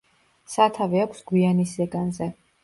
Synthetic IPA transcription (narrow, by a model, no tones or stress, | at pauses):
sat̪ʰavɛakʷʰsɡwianiszɛɡanzɛ